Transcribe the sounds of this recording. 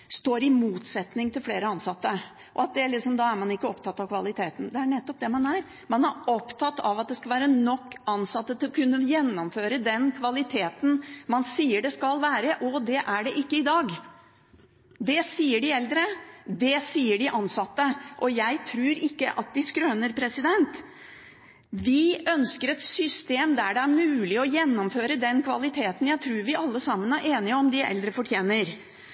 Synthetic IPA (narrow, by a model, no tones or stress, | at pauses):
st̪oːɾɪmuːt̪sɛt̪nɪŋt̪ʰɪlfleːɾəɑnsɑt̪ːə | ʔɔɑt̪̚d̪ɛɭɪksɔmd̪ɑːæɾmɑnɪkːəɔpt̪ʰɑt̪ːɑʋkʰʋɑlɪt̪ʰeːt̪n̩d̪ɛæɳɛt̪ːɔp̚d̪ɛmɑnæɾ | mɑnæɾɔpt̪ʰɑt̪ːɑʋɑt̪̚d̪ɛskɑlʋæːɾənɔkːɑnsɑt̪ːət̪ʰɪlɔkʰʉnːəjɛnːɔmføːɾəd̪ɛnkʰʋɑlɪt̪ʰeːt̪n̩mɑnsiːəɖɛskɑlʋæːɾəʔɔd̪ɛʔæɖɛʔɪkːəɪd̪ɑːɡ | d̪ɛsiːəɖɪɛld̪ɾəd̪ɛsiːəɖɪʔɑnsɑt̪ːəʔɔjæɪt̪ʰɾʉːɾɪkːə̰ʔɑt̪̚d̪ɪskɾœːnəɾpʰɾɛsɪd̪ɛnt̪ | ʋɪœnskəɾɛt̪sʏst̪eːmd̪æɖɛæɾmʉːlɪɔjɛnːɔmføːɾəd̪ɛnkʰʋɑlɪt̪ʰeːt̪ən̩jæɪt̪ʰɾuːɾʋɪʔɑlːəsɑmːənæɾʔeːnɪəɔmd̪ɪʔɛ̰ld̪ɾəfɔʈʰjeːnəɾ